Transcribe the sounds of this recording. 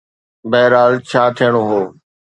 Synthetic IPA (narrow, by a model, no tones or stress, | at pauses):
bɛɦɾaːlt͡ɕʰaːt̪ʰijəɽ̃oɦoː